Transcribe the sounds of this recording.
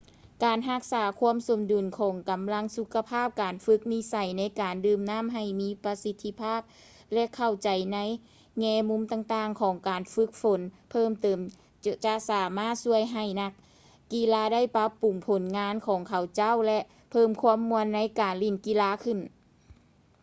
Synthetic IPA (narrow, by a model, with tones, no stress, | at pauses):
kaː˨˩nɦa˧˥k̚saː˩˦kʰu˧˥əmso˨˩˦mdu˨˩nkʰɔː˨˩˦ŋka˨˩mla˧˥ŋsu˧kʰːa˧pʰaː˥˩p̚kaː˨˩nfɯ˧˥k̚ni˧˥sa˨˩jna˧˥jkaː˨˩ndɯː˧˩mnaː˥˨mɦa˧˨˩jmiː˧˥pa˧si˧˥t̪ʰːi˧˥pʰaː˥˩p̚ | lɛ˧ʔkʰa˧˩wt͡ɕa˨˩jna˧˥j | ŋɛː˧˥mu˧˥mt̪aː˧˩ŋt̪aː˧˩ŋkʰɔː˨˦ŋkaː˨nfɯ˧˦˥k̚fo˨˩˦npʰɤː˥˩mt̪ɤː˨˩m | t͡ɕa˧ʔsaː˨˩˦maː˥˩t̪̚su˧˩əjɦa˧˨˩jna˧k̚ː | i˧˥laː˧˥da˥˩jpa˧˦˥pːu˨˩ŋpʰo˨˦nŋaː˧˥nkʰɔː˨˦ŋkʰa˨˩wt͡ɕa˥˨wlɛ˧ʔ | pʰɤː˧˩˨mkʰu˧˥əmːu˧ənːa˧˥jkaː˨˩nli˧˩nki˧˥laː˧˥kʰɯ˧˩n